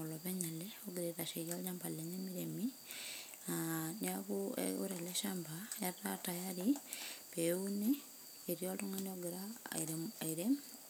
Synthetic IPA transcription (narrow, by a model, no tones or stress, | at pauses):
olɔβɛɲelɛoɡiɾetaʃiɣalɲambaleɲemiɾemi | aniakuḛɣo̰ɾeleʃambajatatajaɾipeuniː | ɾjotoŋanioɡeɾa̰ɾaiɾe